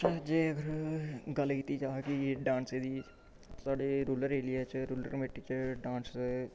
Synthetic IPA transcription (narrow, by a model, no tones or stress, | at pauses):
d͡ʒeːəɡəɾɡəlkiːt̪iːd͡ʒaːkieɖãːnseːd̪iː | saːɖeːɾuːləɾeːlɪjaːt͡ʃɾuːlə̰ɾmeːʈːiːt͡ʃɖãːns